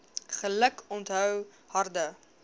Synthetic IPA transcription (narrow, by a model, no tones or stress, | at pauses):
χələkɔntɦœw | hɐrdə